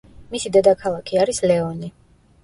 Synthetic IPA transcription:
misid̪ɛd̪akʰalˠakʰiaɾislɛɔni

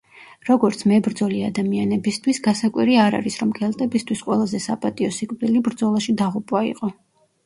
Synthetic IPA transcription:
ɾɔɡɔɾt̪sʰmɛbɾd̪zɔliad̪amianɛbist̪ʰwisɡasakʼwiɾiaɾa̰ɾisɾɔmkʰɛlˠt̪ʼɛbist̪ʰwisqʼwɛlˠazɛsapʼat̪ʼiɔsikʼvɾilibɾd̪zɔlˠaʃid̪aʁupʼwaḭqʼɔ

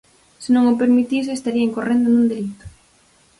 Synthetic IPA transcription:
sɪnõŋop̬eɾmit̪is̬eːst̪aɾiɐeŋkorend̪onund̪elit̪ʊ̥

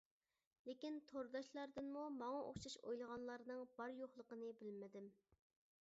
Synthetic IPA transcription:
lekʲint̪ʰoɾd̪ɑʃlˠɑɾd̪ɨnmumɑŋɑʔo̰χʃɑʃo̰jlˠəʁɑnlˠɑɾnɨŋb̥ɑɾjoχlˠəqənɨbɪlmɪd̪ɪm

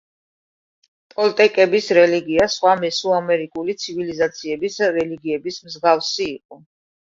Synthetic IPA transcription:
pʼɔlt̪ʼɛkʼɛbisɾɛliɡiasχwamɛsuamɛɾikʼulit̪sʰivilizat̪sʰiɛbisɾɛliɡiɛbismzɡafsiːqʼɔ

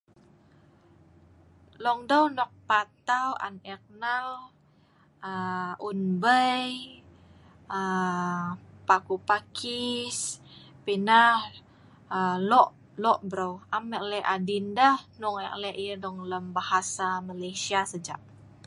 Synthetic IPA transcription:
lɔŋdəwnɔk̚pat̪awa̰nɛk̚nal | əʔunbəj | ə | pakupakis | pinah | əlɔʔ | lɔʔbɾwaməʔlɛʔadindəhnuŋɛʔlɛʔjədɔŋləmbahasamalajsiasəd͡ʒa̰ʔ̚

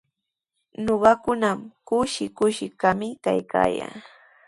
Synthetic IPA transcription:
noɢɑkʊnamkʊʃɪkʊʃɪkamɪka̰jka̰ːja̰ː

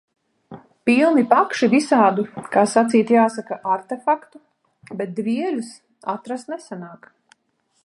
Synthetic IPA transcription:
pilˠnipakʃivisaːd̪ukaːsat̪siːt̪jaːsakaʔaɾt̪efakt̪u | bɛt̪̚d̪viɛlʲus | at̪ɾast̪nɛsanaːk

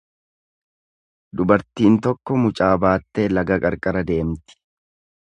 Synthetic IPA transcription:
d̪ʊbɐɾt̪iːnt̪ɔkːɔmʊt͡ʃʼaːbaːt̪ːeːlɐɡɐkʼɐɾkʼɐɾɐd̪e̞ːmt̪ɪ̥

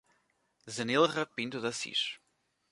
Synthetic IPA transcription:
zɐnelˠʁɐpĩnt̪uðɐsḭʃ

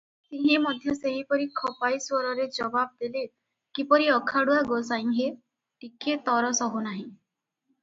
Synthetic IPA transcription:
t̪ĩɦĩmɔd̪ʱjɔseɦipɔɾikʰɔpajswɔɾɔɾed͡ʒɔbab̚d̪ele | kipɔɾiɔkʰaɽuaɡosaj̃ŋɦe | ʈikʰːet̪ɔɾɔsɔɦunaɦĩ

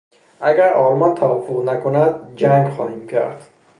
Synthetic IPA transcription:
ʔæɡæɾʔɒːlmɒnt̪ʰævɒːfːoʁnækʰonæd̪̚d͡ʒæŋɡxɒ̰ːhiːmcʰæ̰ɾd̪̥

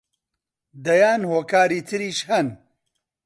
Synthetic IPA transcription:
d̪ɐjaːnhoːkaːɾiːt̪ʰɨɾiːʃhɐn

